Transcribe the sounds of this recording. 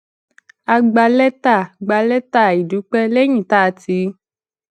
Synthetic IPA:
a˧ɡ͡ba˧lɛ˦t̪a˦˨ɡ͡ba˧lɛ˦ta˦˨i˨du˨˦k͡pɛ˦le˦ɲĩ˦˨t̪a˦˨ti˧˦

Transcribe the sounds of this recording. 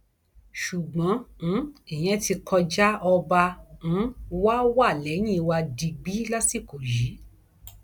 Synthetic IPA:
ʃu˨ɡ͡bɔ̃˨˦˨ | i˨j̃ɛ̃˨˦ti˧kʰɔ˧d͡ʒa˦ɔ˧bã˧˨˦ | wa˦wa˦˨lɛ˨˦j̃ĩ˦˨˧wa˧di˧ɡ͡bi˦la˦si˦˨ko˨ji˨˦

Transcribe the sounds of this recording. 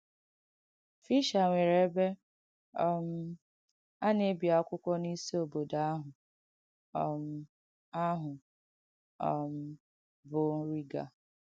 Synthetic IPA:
fi˦ʃa˨ŋʷe˨ɾe˦be˦ | ɔ˦m̩˦ | a˦ne˦bja˨˦kʷʊ˦kʷɔ˦ni˦si˦o˨bo˨da˨˦a˦ɦʊ˨ | ɔ˨m̩˦ | a˦ɦʊ˨ | ɔ˨m̩˦ | bʊ˨ɾi˦ɡa̰˨

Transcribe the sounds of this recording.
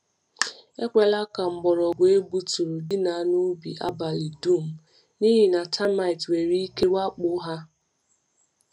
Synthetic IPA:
e˦kʷe˨la˦ka˨ŋ͡m̩˨ɡ͡bɔ˨ɾɔ˨ɡʷe˦bu˦tu˨ɾu˨dɪ˦na˨˦nu˦bḭ˨ʔa̰˦ba˨li˨du˦˨m̩˨ | ni˦ɦi˨na˨tʰa˦ma˨i˨twe˨ɾi˦i˦ke˦wa˦k͡pʊ˦ɦa˦

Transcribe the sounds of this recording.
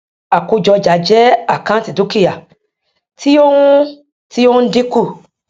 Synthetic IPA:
a˨ko˧d͡ʒɔ˧d͡ʒa˨˦d͡ʒɛ˦a˦˨kã˦ti˨do˨˦ki˦ja˨ | ti˦o˦ũ˦ | ti˦o˦di˦ku˦˨

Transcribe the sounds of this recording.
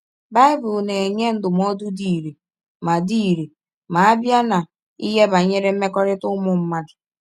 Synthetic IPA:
ba˦ɪ˦bʊ˨lne˨e˨ɲe˦n̩˦dʊ˨m˦ɔ˦du˦di˨ɾe˨ | ma˨di˦˨ɾe˨ | ma˨a˦bja˦na˨ | i˦ɦe˦ba˨ɲe˦ɾe˦m̩˦me˦kɔ˦ɾɪ˦tʊ˦mʊ˨m̩˦ma˦dʊ˨

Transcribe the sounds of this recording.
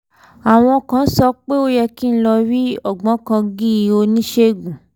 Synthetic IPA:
a˨w̃ɔ̃˧kã˨˦n̩˦sɔ˧k͡pe˦o˦jɛ˧ki˦˨n̩˦lɔ˧ɾi˦ɔ˦˨ɡ͡bɔ̃˨˦kã˧ɡĩ˦i˧o˧nĩ˦ʃe˦ɡũ˨

